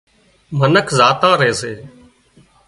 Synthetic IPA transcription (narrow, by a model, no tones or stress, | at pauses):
mənəkʰzaːt̪ãːɾəeːseː